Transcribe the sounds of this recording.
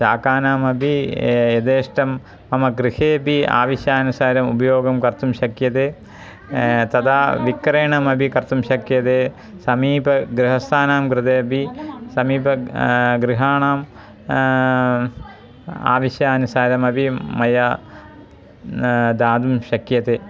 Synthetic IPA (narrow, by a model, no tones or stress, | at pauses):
saːkaːnaːmɐbʱijed̪eːʂʈɐmː | ɐmɐɡɾiheːbia̰ːʋiɕjaːnusaːɾɐmubɐjoːɡɐmkɐrt̪umɕɐkjɐðeː | t̪ɐd̪aːʋikɾeːɳɐmɐbʱikɐrt̪umɕɐkjɐðeː | sɐmiːbɐɡɾiɦɐst̪ʰaːnaːmkɾɨt̪eːbisɐmiːbɐɡɾiɦaːɳaːm | a̰ːʋiɕjaɐnusaːɾɐmɐbʱimɐja | d̪aːd̪umɕɐkjɐt̪eː